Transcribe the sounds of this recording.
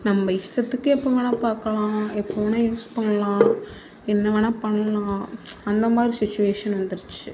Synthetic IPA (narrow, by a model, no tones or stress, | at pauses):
nɐmːbɐɪʂʈ̪ɐt̪ːɯkːɯɛpːoːʋɐnapaːɾkɐlãːɛpːoːʋɐnãjuːspɐɳɐlãː | ɛnːɐʋɐnɐpɐɳːɐlãːɐnd̪ɐmaːd̪ɾisɪt͡ʃːʊʋeːʂɐnʋɐnd̪ɯɾɯt͡ʃːɯ